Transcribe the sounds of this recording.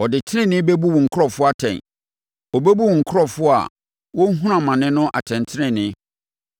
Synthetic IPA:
ɔ˨dɪ˨tʰɪ˦ɾɪ̃˦˨nɪ̃˦be˦bu˦wʊ̃˨ŋ̩˨kʰʊ˦ɾɔ˨fʊ˦a˦tʰɛ̰̃˨n | ɔ˨bɛ˦bu˦wŋ̩˨kʰʊ˦ɾɔ˦fʊ˦a̰˨ | wɔ˦ŋ̩˦ɦũ˦ɾã˨mã˨nɪ̃˦nʊ̃˦ʔa̰˨tʰɛ̃˨n˨tʰɪ˦ɾɪ̃˦˨nɪ̃˦

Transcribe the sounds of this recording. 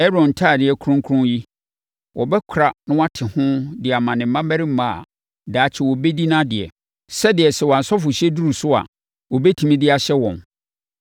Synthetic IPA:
ɛ˦ɾɔ̃˨n̩˨tʰaː˦˨dɪ˨ɛ˨kʰɾʊ̃˦ŋ˦kʰʊ̃˦ji˦ | wʔɔ˨bɛ˦kʷʰʊ˨ɾa˨nʊ̃˦wa˦tʰɪ˨hʊ̃˦dɪ˨a˨mã˨nɪ̃˨m̩˦ã˦mæ˦ɾi˦m̩˦mã˦˨a̰˨ | daː˨t͡ɕʰɪ˦wɔ˨bɛ˦di˦nã˦dɪ˨ɛ̰˨ | sɛ˦dɪ˨ɛ˨sɛ˨wa˨n˨sɔ˦fʊ˨ɕɛ˦du˦ɾu˨sʊ˦a̰˨ | wɔ˨bɛ˦tʰĩ˨mĩ˦dɪ˦a˨ɕɛ˦wɔ̰̃˨n

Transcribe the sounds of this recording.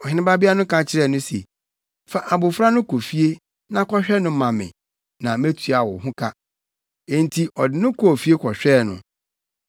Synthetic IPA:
ɔ˨hɪ̃˨˦nɪ̃˦ba˦bɪ˦a˦nʊ̃˦kʰã˨t͡ɕʰɪ˦ɾɛ˦˨nʊ̃˦sɛ̰˨ | fa˨ʔa˨bʊ˨fɾa˦nʊ̃˦kʰo˨fi˦e˦ | nã˦kʰɔ˦ɕᶣɛ˦nʊ̃˨˦mã˨mɪ̰̃˨ | nã˨mɛ̃˦tʰu˨a˨wɔ˨ɦʊ̃˦kʰa˦ | ɛ̃˨n̩˨tʰi˨ʔɔ˨dɪ˨nʊ̃˦kʰɔ˦o˨fi˦e˦kʰɔ˨ɕᶣɛ˦˨nʊ̰̃˨

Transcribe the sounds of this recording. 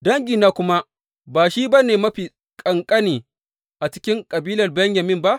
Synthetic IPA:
dɐ˦ŋɡʲi˨naː˦kʷʊ˦ma˦ | baː˨ʃi˦bɐ˦neː˨mɐ˦ɸiː˨ | kʼɐ˨ŋkʼɐ˦niː˨ | ʔa˨t͡ʃɪ̥˦kʲɪ˦ŋkʼɐ˨biː˦lɐ˨rbɐ˦ɲjɐ˨mɪ˦mba˦ʔ

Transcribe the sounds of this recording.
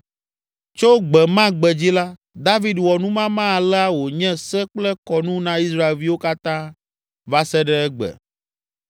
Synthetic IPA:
t͡ʃo˦ɡ͡bɛ˨mã˦ɡ͡bɛ˨d͡ʑi˦la˦ | d̪a˦vi˦dwɔ˨nũ˦mã˦mã˦a˨lɛ˦a˦wo˨ɲɛ̃˦sɛ˦k͡plɛ˦kɔ˨nũ˦nã˦i˦sɾa˦e˨lvi˦wo˦ka˦t̪ã˦ | va˦sɛ˦ɖɛ˦ɛ˦ɡ͡bɛ̰˨

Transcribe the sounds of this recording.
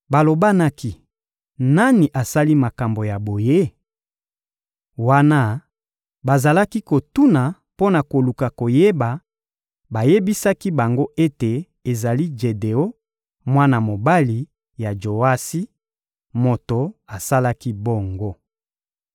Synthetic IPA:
ba˨lo˨ba˦na˦ki˦ | na˦ni˨ʔa˨sa˦li˦ma˨ka˨mbo˨ja˨bo˨je˦ | wa˦na˦ | ba˨za˨la˦ki˦ko˨tu˦na˨ | po˦na˨ko˨lu˨ka˨ko˨je˦ba˨ | ba˨je˦bi˦sa˦ki˦ba˨ŋɡo˦ʔe˦te˨ | e˨za˨li˦d͡ʒe˨de˨o˦ | mwa˦na˨mo˨ba˦li˨ | ja˨d͡ʒo˨a˦si˦ | mo˨to˨a˨sa˦la˦ki˦bo˦ŋɡo˦

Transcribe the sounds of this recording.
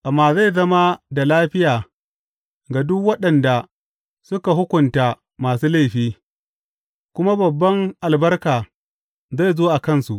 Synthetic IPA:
ʔa˨mːaː˨za˦˨jzɐ˦ma˦da˨laː˦ɸɪ˦jaː˨ | ɡa˨dʊ˦kwɐ˦ɗɐ˨nda˨ | sʊ˦ka˨ɦʊ˦kʷʊ˨ntaː˨ | maː˨suː˦la˦˨jɸiː˦ | kʷʊ˦ma˦bɐ˨bːɐ˦ŋʔa˨lbɐ˦rkaː˨ | za˦˨jzoː˦ʔa˨kɐ˦nsu˨ʔ

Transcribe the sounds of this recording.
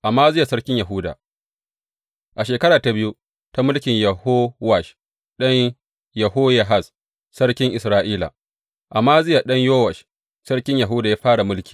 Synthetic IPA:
ʔa˨mːaː˦zɪ˦ja˨sɐ˦ɽkʲɪ˦ɲja˨ɦʊ˦da̰ː˨ | ʔa˨ʃeː˨kɐ˦ɽaː˨ta˨bɪ˦ju˦ | ta˦mʊ˦lkʲɪ˨ɲjɐ˨ho˦wa˨ʃ | ɗɐ˦ɲ | jɐ˨hoː˦ja˨ɦa˦˨s | sɐ˦ɽkʲɪ˦ŋʔɪ˨sɾaː˦ʔiː˦la̰˨ | ʔa˨mːaː˦zɪ˦ja˨ɗɐ˦ɲjoː˦wa˨ʃ | sɐ˦ɽkʲɪ˦ɲjɐ˨ɦʊ˦daː˨jaː˦ɸaː˦ɽa˨mʊ˦lkʲi̥ː˨

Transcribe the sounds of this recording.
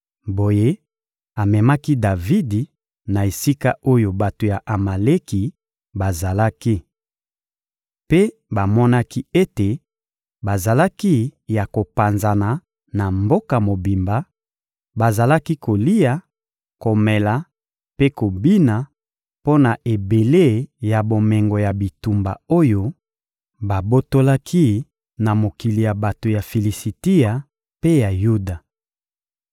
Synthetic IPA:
bo˨je˦ | a˨mɛ˨ma˦ki˦da˨vi˦di˨ | na˨e˨si˦ka˦o˦jo˨ba˨to˨ja˨ʔa˨ma˨le˦ki˨ | ba˨za˨la˦ki˦ | pe˦ | ba˨mɔ˦na˦ki˦e˦te˨ | ba˨za˨la˦ki˦ja˨ko˨pa˨nza˨na˨ | na˨mbo˦ka˨mo˨bi˨mba˦ | ba˨za˨la˦ki˦ko˨li˦ja˨ | ko˨mɛ˨la˨ | pe˦ko˨bi˦na˨ | po˦na˨ʔe˨be˨le˦ja˨bo˨mɛ˨ŋɡo˨ja˨bi˨tu˨mba̰˨o˦jo˦ | ba˨bo˦to˦la˦kʰi˦ | na˨mo˨ki˨li˨ja˨ba˨to˨ja˨fi˨li˨si˨ti˦a˨ | pe˦ja˨ju˦da˨

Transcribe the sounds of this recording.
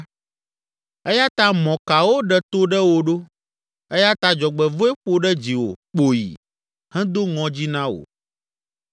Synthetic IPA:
ɛ˦ja˦t̪a˦mɔ̃˨ka˨wo˦ɖɛ˨t̪o˦ɖɛ˦wo˨ɖo˦ | ɛ˦ja˦t̪a˦d͡ʒɔ˨ɡ͡bɛ˨vo˦ɛ˦ɸo˦ɖɛ˦d͡ʑi˨wo̰˨k͡po˨jḭ˨ | hɛ̃˦d̪o˦ŋɔ̃˦d͡ʑi˦nã˦wo̰˨

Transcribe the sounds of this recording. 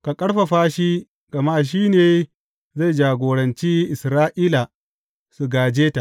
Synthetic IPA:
ka˨kʼɐ˦ɽɸa˨ɸaː˦ʃi˦ | ɡ̥ɐ˨ma˦˨ʃ̬iː˦neː˨ | za˦˨jd͡ʒaː˨ɡʷoː˨ɽɐ˨nt͡ʃiː˦ʔɪ˨sɾaː˦ʔiː˦la˨ | su˨ɡaː˨d͡ʒeː˦ta˨

